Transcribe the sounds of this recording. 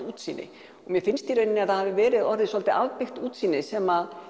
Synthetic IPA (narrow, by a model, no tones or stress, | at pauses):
uːt̪siːnːɪ̰ | ɔɣmjɛfɪnst̪iɾejnɪaðθaðhavɪvɛːɾɪðɔɾðɪsɔlt̪ɪʔaðpɪxt̪uːt̪siːnːɪsɛmað